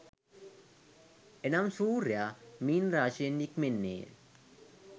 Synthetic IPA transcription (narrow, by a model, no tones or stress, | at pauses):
enamsuːɾjamiːnraːʃienːikmenːḛː